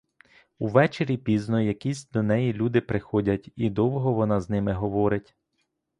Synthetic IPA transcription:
uʋɛt͡ʃeɾʲipʲiznɔjɐkʲisʲd̪ɔnɛjilʲud̪ɪpɾɪxɔdʲɐtʲid̪ɔwɦɔʋɔnɑznɪmɪɦɔʋɔɾɪtʲ

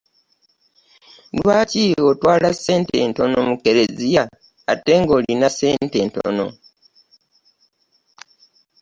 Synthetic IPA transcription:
lwaːciotwaːlase̞ːnte̞̰nto̞no̰muke̞ɾe̞zija | a̰te̞ːŋɡo̞ːlinase̞ːnte̞ːnto̞̰no̞̰

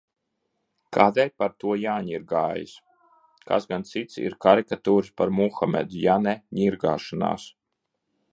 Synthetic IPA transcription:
kʰaːd̪ɛjpaɾt̪uɔjaːɲiɾɡaːjḭs | ka̰sɡant̪sit̪sḭɾkaɾikat̪uːɾɨspaɾmuxamʲɛ̰d̪ujanɛɲiɾɡa̰ːʃana̰ːs

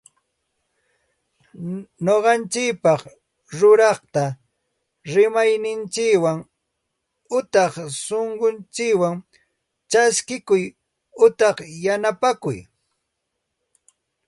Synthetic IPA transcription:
noɢɑnt͡ʃɪkpɑχ | ɾʊɾɑχt̪a | ɾɪmajnɪnt͡ʃɪkwaŋ | ʊt̪ɑχsoɴɢont͡ʃɪkwaŋ | t͡ʃaskɪkʊj | ʊt̪ɑχjanapakʊ̰j

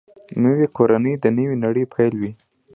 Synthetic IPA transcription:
nəwikʰoɾanəjd̪ənəwinaɽəjpʰajlwi

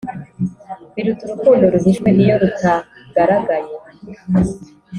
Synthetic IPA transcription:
βiɾutuɾukuːndoɾuɦiʃkwenijo̞ɾutʰaɡ̥aɾaɡaje

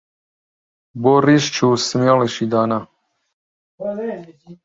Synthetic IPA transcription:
boriʃt͡ʃʰusəmaliʃid̪aːna

